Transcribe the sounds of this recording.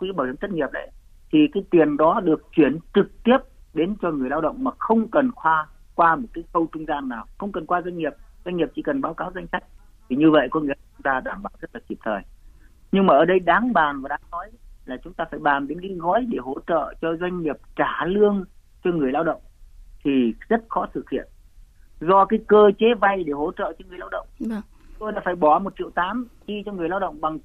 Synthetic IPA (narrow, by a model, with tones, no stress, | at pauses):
kɓaː˨˧˩sə˨˦ŋ͡mt̪ʰt̚ŋi˨˩əp̚ɗə̰˨˦j | t̪ʰi˨˩kaː˨˦jt̪i˨˩ənɗɔ˨˦ɗɨ˨˩ək̚t͡ɕwi˧˩ənt͡ɕɨ˨˩k̚t̪i˦˥əp̚ɗe˨˦nt͡ɕɔ˧ŋɨ˨˩əjlaː˧wɗə̰˧˨wŋ͡mmaː˨˩xə˧wŋ͡mkə˨˩nxwaː˧ | kwaː˧mo˨˩t̚kaː˨˦jkə˧wt͡ɕʊ˧ŋ͡mzaː˧nːaː˨˩wxə˧wŋ͡mkə˨˩nkwaː˧zwa˧jŋ̟ŋi˨˩əp̚zwa˧jŋ̟ŋːi˨˩əp̚t͡ɕi˧˩kə˨˩nɓaː˨˦wkaː˨˦wza˧ŋ̟sa˦˥jk̟̚ | t̪ʰi˨˩ɲɨ˧və̰˧˨jkɔ˨˦ŋḭ˧˥˦t͡ɕʊ˨˦ŋ͡mt̪aː˧ɗaː˧˩mɓaː˧˩wz̥ə˦˥t̚laː˨˩ki˨˩p̚t̪ʰəː˨˩j | ɲɨ˧ŋmaː˨˩ʔəː˨˩ɗə˧jɗaː˨˦ŋɓaː˨˩nvaː˨˩ɗaː˨˦ŋnɔ˨˦jlaː˨˩t͡ɕʊ˨˦ŋ͡mt̪aː˧faː˧˩jɓaː˨˩nɗe˨˦nka˨˦jɣɔ˨˦jɗe˧˩ɦo˧˩t͡ɕə̰ː˧˨t͡ɕɔ˧zwa˧jŋ̟ɲi˨˩əp̚t͡ɕaː˧˩lɨ˧əŋ | t͡ɕɔ˧ŋɨ˨˩əjlaː˧wɗə̰˧˨wŋ͡mt̪ʰi˨˩zə˦˥t̚xɔ˨˦sɨ˨˩k̚hḭ˧˨ən | zɔ˧kaː˨˦jkəː˧t͡ɕe˨˦va˧jɗe˧˩ɦo˧˩t͡ɕə̰ː˧˨t͡ɕɔ˧ŋɨ˨˩əjlaː˧wɗə̰˧˨wŋ͡m | t̪o˧jɗa̰ː˧˥faː˧˩jɓɔ˧˩mo˨˩t̚t͡ɕḭ˧˨wt̪aː˨˦mɗi˧t͡ɕɔ˧ŋɨ˨˩əjlaː˧wɗə̰˧˨wŋ͡mɓa˨˩ŋ